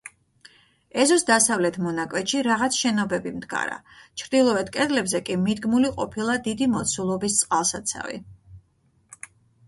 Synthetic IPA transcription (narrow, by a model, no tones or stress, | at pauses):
ɛzɔsd̪asavlɛt̪ʰmɔnakʼwɛʃiɾaʁat̪sʰʃɛnɔbɛbimd̪ɡa̰ɾa̰t͡ʃʰɾd̪ilˠɔɛt̪̚ʰkʼɛd̪lɛbzɛkʼimid̪ɡmuliqʼɔpʰilˠad̪id̪imɔt̪sʰulˠɔbist̪sʼqʼalˠsat̪sʰa̰vḭ